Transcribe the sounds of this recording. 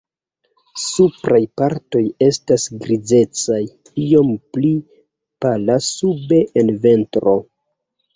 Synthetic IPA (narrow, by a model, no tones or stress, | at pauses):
supɾʔajpaɾto̞je̞stasɡɾize̞t͡saj | io̞mpli | palasube̞ʔenve̞ntɾo̞